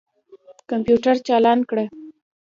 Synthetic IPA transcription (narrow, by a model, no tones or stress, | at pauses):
kampjuʈaɾt͡ʃɑlɑnkɽə